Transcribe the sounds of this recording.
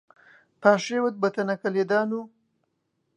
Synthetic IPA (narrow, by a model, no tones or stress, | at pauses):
pɑːʂewət̪̚bət̪anakaled̪ɑːnu